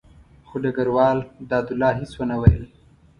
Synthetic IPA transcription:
xoɖaɡaɾwɑːld̪ɑːd̪ʊlːɑːɦiswanawajə̰l

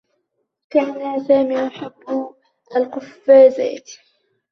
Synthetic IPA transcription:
kaːnasaːmiːʔaħabː | ʔalqʊfːaːza̰ːt̪

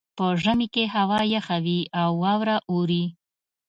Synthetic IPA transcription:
pəʒəmikeɦawɑjaxawiawːɑwɾaʔuɾi

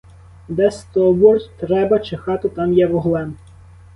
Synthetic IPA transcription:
d̪ɛst̪ɔbɔrtʲt̪ɾɛbɐt͡ʃexɑt̪ɪt̪ɑmjɛʋɔɦlˠɛn

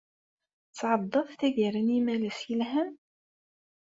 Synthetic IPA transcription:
t͡sːʕɑd̪ˤːɑðˤθæɡəɾənimæləsilɦæm

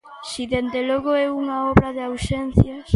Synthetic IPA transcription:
siðend̪eloɣoɛuŋaɔβɾaðeawsen̟θjɐ

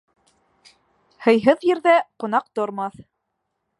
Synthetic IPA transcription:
hɤ̆jɦɤðjɘ̆ɾðæqŏnɑq̚t̪ŏɾmɑθ

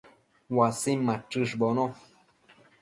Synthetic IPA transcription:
wasimːãʈ͡ʂɨʂbono

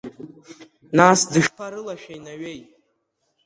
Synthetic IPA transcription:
nasdɨʃχʰaɾɨlaʃᶣajnaɥejʼ

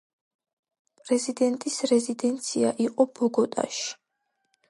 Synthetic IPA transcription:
pʼɾɛzid̪ɛnt̪ʼisɾɛzid̪ɛnt̪sʰiaʔiqʼɔbɔɡɔt̪ʼa̰ʃi̥

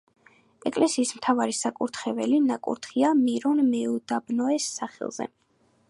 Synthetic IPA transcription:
ɛkʼlɛsiːsmt̪ʰavaɾisakʼuɾt̪ʰχɛvɛlinakʼṵɾt̪ʰχiamiɾɔnmɛud̪abnɔɛsːaχɛ̰lˠz̥ɛ̰

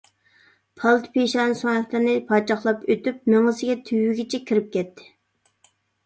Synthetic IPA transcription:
pʰɑlˠt̪ʰpeʃɑnsoŋɛkʲlɨɾnɪpʰɑt͡ʃʰɑχlˠɑpøt̪yp̚meŋɨsɪɡʲɛt̪ʰywːyɡʲit͡ʃʰɛkʲʰiɾɪp̚kʲɛt̪ʰːɪ̥

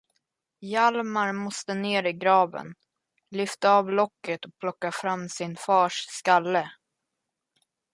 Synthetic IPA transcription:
jalmaɾmɔst̪əneːɾɪɡɾɑːvə̰n | lʏft̪aɑːvlɔkːət̪ɔpʰlɔkːafɾamːsɪnfɑːʂskalːə

